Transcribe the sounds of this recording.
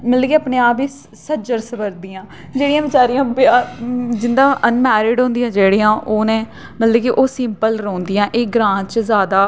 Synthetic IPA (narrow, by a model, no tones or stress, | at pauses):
mət̪ləkiːəpneːaːpiː | səd͡ʒəɾsəbəɾd̪iːãː | d͡ʒeːɽijãːʋɪt͡ʃaːɾijãːbaːd͡ʒɪnd̪ãːʔənmɛːɾɪɖɦõnd̪ijãːd͡ʒeːɽiːãːʔoːnẽː | mət̪ləkiʔoːsɪmpəlɾoːnd̪ijãːʔeːɡɾãːt͡ʃzjaːd̪aː